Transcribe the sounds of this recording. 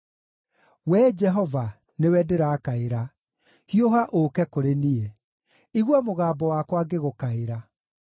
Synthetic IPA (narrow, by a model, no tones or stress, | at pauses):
wɛd͡ʒɛɦɔva | newɛdeɾaːkaeɾa | hioɦaʔokɛkoɾenie | iɣwɔmoɣaːbɔwakwaɡeɣokaeɾa